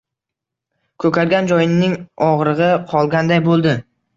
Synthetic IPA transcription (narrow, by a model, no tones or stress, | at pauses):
kʰɵkʰʲaɾɡʲand͡ʒɒjɪnɪŋɒʁɾɨʁɨqʰɒlˠɡʲand̪ajbolˠd̪ɪ